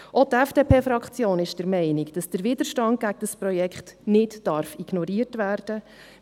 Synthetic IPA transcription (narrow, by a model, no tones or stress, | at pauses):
ʔɔtɛfd̥epʰeːfɾɑkχt͡sjoːnɪʃd̥əɾmɛɪnikd̥ɑsd̥əɾʋɪd̥əɾʃtɑnt̚ɡ̥æɡəd̥əspɾɔjɛkχtnɪtdɑɾfiɡ̥nɔɾiərtʋærd̥ə